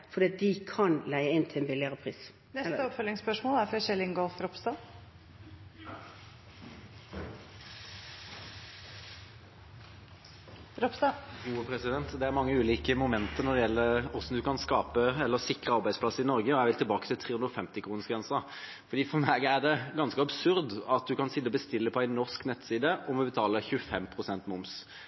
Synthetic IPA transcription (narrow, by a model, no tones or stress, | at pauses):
fɔd̪iːɑt̪̚d̪ɪkʰɑnlæɪəɪnt̪ʰɪɛnbɪlɪəɾəpʰɾḭːs | nɛsəɔpfœlːɪŋspœʂmoːlæɾfɾɑɕɛlːɪŋɡɔlfɾɔpst̪ɑ | ɾɔpst̪ɑuːpʰɾɛsɪd̪ɛnt̪d̪ɛæɾmɑŋːəʉːliːkəmʊmɛnt̪əɾnɔd̪ɛjɛlːəɔsɔm̩d̪ʉkɑnskɑːpəɛlːəɾsɪkɾəɑɾbæɪspʰlɑsːəɪnɔɾɡəɔjæɪʋɪlt̪ʰɪlbɑːkət̪ɪlt̪ʰɾeːʉnd̪ɾɔfɛmt̪ɪkʰɾuːnəsɡɾɛnsɑ | fɔɾd̪iːfɔmæɡædɛɡɑnskəɑbsʉɾd̪ɑt̪̚d̪ʉkɑnsɪd̪ːəɔbəst̪ɪlːəpʰɔæɪnːɔʁsknɛt̪siːd̪əʔɔmʋɔbət̪ʰɑːləçʉfɛmpʰɾʊsɛnt̪mʊms